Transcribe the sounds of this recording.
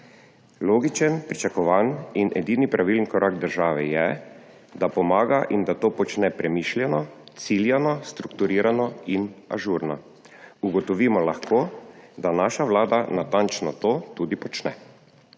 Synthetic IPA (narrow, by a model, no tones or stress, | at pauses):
loːɡit͡ʃənpɾit͡ʃakɔʋaninʔɛ̰d̪iːnipɾaʋilənkɔɾʔaːɡd̪əɾʒaːʋɛjɛ | d̪apɔmaːɡaʔind̪at̪oːpɔt͡ʃnɛpɾɛmiːʃljɛnɔt̪siljanɔst̪ɾukt̪uɾiːɾanɔina̰ʒuːɾnɔ | uɡɔt̪ɔʋiːmɔlaxkoːd̪anaːʃaʋlaːd̪anat̪ant͡ʃnɔt̪oːt̪ud̪ipɔt͡ʃnɛ̰